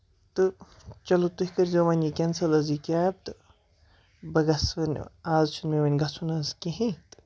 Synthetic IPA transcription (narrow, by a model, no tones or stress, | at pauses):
t̪ɨ | t͡ʃɐlot̪uhʲikɐɾzoːʋɐnʲikʲɐnsɐlɐzikʲaːjɐb̚t̪ɨ | bɐɡɐsʋɐn̰aːzt͡ʃʰunmeʋɐnʲɡɐsʰunɐzkʲeɦĩt̪ɨ̥